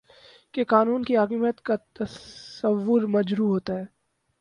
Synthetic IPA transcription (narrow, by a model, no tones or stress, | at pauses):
kekaːnuːnkiɦaːkiːmjət̪kat̪ɐəʋːʊɾmɐd͡ʒɾuːɦoːt̪aɦɛː